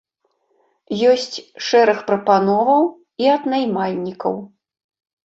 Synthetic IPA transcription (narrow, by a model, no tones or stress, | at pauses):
jɔsʲt͡sʲʂɛɾɐxpɾɐpanɔvɐw | iɐd̪najmalʲnʲikɐ̰w